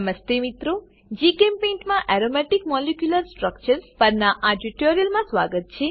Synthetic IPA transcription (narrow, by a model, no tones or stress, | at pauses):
məst̪emit̪ɾo | d͡ʒikempẽɳʈmãʔɛɾomɛʈikmɔlekjuləɾsʈɾək̚t͡ʃəɾspəɾnaʔaɖiʈoɾijəlmãsʋaɡət̪̚t͡ʃʰe